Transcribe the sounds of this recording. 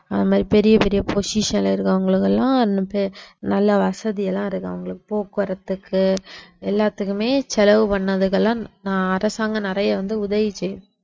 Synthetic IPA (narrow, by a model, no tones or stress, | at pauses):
ɐðɐmaːd̪ɾipɛɾɪjɐpɛɾɪjɐpʰosiʂɐnɪlɐɪɾɯkːɐʋɐŋɡɐɭɯkːɛlːãːɐnːɯpenɐlːɐʋɐsɐðɪjɐlːãːɪɾɯkːɐ̰ʋɐŋɡɐɭɯkːɯ̥poːkːɯʋɐɾɐt̪ːɯkʰːɯɛlːaːt̪ːɯkːɯmeːsɛlɐʋɯpɐɳːɐðɯkːɐlːãːnãːɐɾɐsaːŋɡɐnɪɾɐjɐʋɐnd̪ɯʊðɐʋit͡ʃːɛjʊ